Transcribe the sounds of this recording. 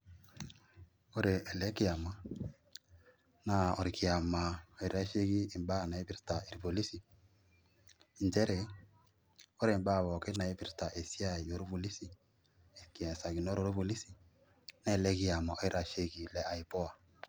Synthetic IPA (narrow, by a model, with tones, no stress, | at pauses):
o˦ɾe˨ɛ˨lɛ˨˦kɪ˦a˨ma˨ | na˨o˨ɾɪ˨kɪ˨a˨ma˨ɔ˨i˦ɾa˦ʃe˦ɡiː˦˨mba˦˨na˨i˦pɪ˦ɾta˨i˨ɾi˨po˨li˦si˨ | nd͡ʒɛ˦ɾe˨ | o˦ɾe˨m˦ba˦˨βɔ˨ke˦na˨e˦pɪ˦ɾta˨ʔe˨si˦a˦˨jo˨ɾo˦βo˨li˦si˨ | ki˨ɛ˨sa˨ɡi˨no˦ɾo˦ɾo˦βo˨li˦si˨ | na˦˨lɛ˦kɪ˨˦a˨ma˨ʔɔ˦i˦ɾa˦ʃe˦ɡi˨lɛ˨a˨i˨pɔ˦a˨